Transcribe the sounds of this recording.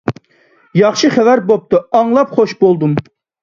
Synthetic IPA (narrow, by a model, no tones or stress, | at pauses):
jɑχʃɨχævæɾbop̚t̪ɨɑŋlˠɑpχoʃbolˠd̪um